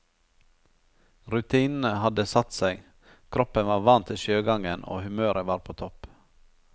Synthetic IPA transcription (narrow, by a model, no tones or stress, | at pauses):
ɾʉt̪ʰiːnn̩əhɑd̪əsɑt̪seɪ | kʰɾɔpənʋɑːɾʋɑnt̪ʰɪʃøːɡɑŋənʔo̰ːhʉmøːɾʔəʋɑːɾpʰoːt̪ʰɔp